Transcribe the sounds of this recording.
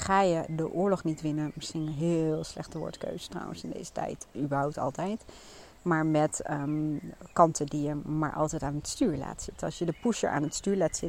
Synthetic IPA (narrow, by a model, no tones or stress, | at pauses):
χaːjədəʔʊːɹlɔχnitʋɪnənmɪsχinɦɪːlˠslɛχtəʋʊ̰ɹtkø̰ɥzətrɔ̰wə̰nsɪndḛjzə̥tɛ̰jtybəɹɦawp̚tɑ̰lˠtɛjt | maːɹmɛt | kɑntədijəma̰ːɹʔɑ̰lˠtɛjtaːnətstyːɹla̰ːtsɪtɑ̰lˠsjədəpusjə̰ɹʔa̰ːnətstyːɹlaːtsɪt